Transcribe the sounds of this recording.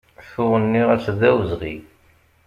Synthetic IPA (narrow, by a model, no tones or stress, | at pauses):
fʊʁənːiʁæsðæwəzʁḭ